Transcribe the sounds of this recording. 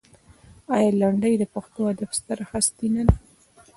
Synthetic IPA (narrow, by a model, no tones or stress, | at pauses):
ɑjɑlaɳɖəjd̪əpaxt̪ohad̪afst̪aɾhast̪inana